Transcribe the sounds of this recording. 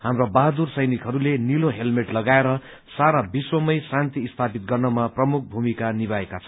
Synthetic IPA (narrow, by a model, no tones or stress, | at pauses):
hamrabaɦd̪ursʌjnikɦʌɾuleniloɦelmeʈlʌɡaeɾʌ | saɾabiswʌmʌjsãnt̪iːst̪ʰapit̪̚ɡʌrnʌmaprʌmuk̚ʰbʱumikaniβaekat͡sʰʌ